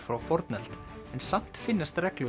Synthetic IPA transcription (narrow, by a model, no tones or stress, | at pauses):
fɾawfɔɾt̪nɛlt̪ | ɛnsam̥t̪fɪnːast̪rɛklʏ